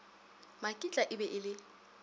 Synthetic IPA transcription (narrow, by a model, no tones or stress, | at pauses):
makʼit͡ɬʼaʔɪbɛʔɪlɪ